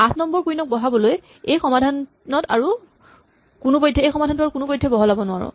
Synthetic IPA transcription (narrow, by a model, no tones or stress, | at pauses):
atʰnɔmbɔɹkuinɔk̚bɔɦabɔloj | ejxɔmadʱan | nɔtaɹu | kunupɔjdʱːɛejxɔmadʱantɔakunupojdʱːɔbɔɦɔlabɔnʊwaɹɔ̰̃